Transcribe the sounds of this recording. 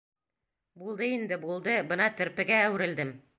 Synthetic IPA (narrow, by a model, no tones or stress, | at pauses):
bulˠd̪ɤind̪ɘbulˠd̪ɤbɤnɑt̪ɵ̆ɾpɘ̆ɡæːwɘ̆ɾɘ̆ld̪ɘm